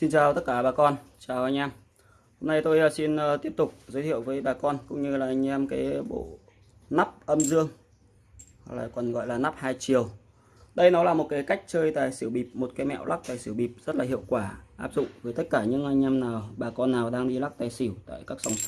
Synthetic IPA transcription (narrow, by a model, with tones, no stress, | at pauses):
si˧nt͡ɕaː˧wt̪ə˦˥t̚kaː˧˩ɓaː˨˩kɔ˧nt͡ɕaː˨˩wʔa˧j̟ʔaː˧m | ho˧mna˧jt̪o˧jsi˧nəː˨˧t̪i˦˥əp̚t̪ʊ˨˩k͡p̚zə˨˦jhḭ˧˨ə˨wvəː˨˦jɓaː˨˩kɔ˧nkʊ̰˧˥ŋ͡mɲɨ˧laː˨˩ʔa˧jŋ̟ʔaː˧mkaː˨˦jɓo̰˧˨ | na˦˥p̚ʔə˧mzɨ˧əŋ | ha˨˩k̚la̰ː˨˩kɔ˨˩nɣɔ̰˧˨jlaː˨˩na˦˥p̚haː˧jt͡ɕi˨˩əw | ɗə˧jnɔ˨˦laː˨˩mo˨˩t̚kaː˨˦jka˦˥jk̟̚t͡ɕəː˧jt̪a̰ː˨˩jsi˧˩wɓi˨˩p̚mo˨˩t̚kaː˨˦mɛ̰˧˨wlʔa˦˥k̚t̪aː˨˩jsi˧˩əwɓi˨˩p̚zə˦˥t̚laː˨˩ɦḭ˧˨əwkwaː˧˩ʔaː˦˥p̚zʊ̰˧˨ŋ͡mvəː˨˦jt̪ə˦˥t̚kaː˧˩ɲɨ̰˧˥ŋʔa˧ŋ̟ʔaː˧mnaː˨˩wɓaː˨˩kɔ˧nːaː˨˩wɗaː˧ŋɗi˧la˦˥k̚t̪aː˨˩jsi˧˩wt̪a̰ː˧˨jkaː˦˥k̚sa˧wŋ͡m